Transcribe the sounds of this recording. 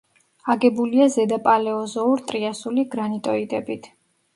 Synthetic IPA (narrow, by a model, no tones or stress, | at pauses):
aɡɛbuliazɛd̪apʼalɛɔzɔuɾt̪ʼɾiasuliɡɾanit̪ʼɔid̪ɛbit̪ʰ